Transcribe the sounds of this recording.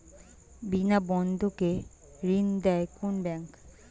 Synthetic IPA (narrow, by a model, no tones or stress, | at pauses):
binabɔnd̪ʱoke | ɾind̪ɛekunbɛŋk